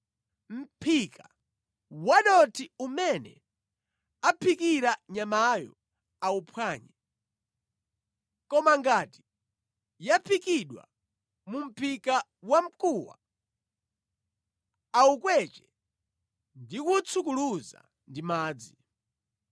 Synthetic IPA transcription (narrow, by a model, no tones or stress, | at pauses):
m̩pʰika | waɗɔtʰiumɛnɛ̰ | apʰikiɾaɲamajɔ̰ | aupʰwaːɲa | kɔmaŋɡati̥ | japʰikiɗwa̰ | mum̩pʰika | wam̩kuwa̰ | aukwɛt͡ʃɛ | ndikut͡sʰuk̬uluza̰ | ndimaːd͡zi